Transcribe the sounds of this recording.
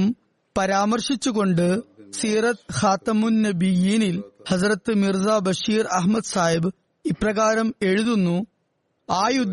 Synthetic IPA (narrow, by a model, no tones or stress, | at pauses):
m | pɐɾaːmɐrʂit͡ɕːuɣo̞ɳɖɨsiːrɐt̪xaːt̪ɐmunːɐbijiːnilhɐzrɐt̪ːɨmirzaːbɐʂiːrɐɦmɐd̪saːjib | ipːrɐɣaːɾɐme̞ɻuðunːu | aːjud̪ʱ